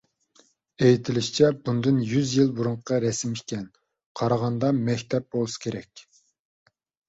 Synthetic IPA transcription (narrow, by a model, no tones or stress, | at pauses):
ejit̪ʰɪlɪʃt͡ʃʰɛbund̪ɨnjyzjilˠbuɾuɴqʰqɑɾɛsɪmikʲʰɛn | qʰɑɾɑʁɑnd̪ɑmɛkʲt̪ʰɛp̚bolˠsɨ̥kʲʰeɾɛkʲ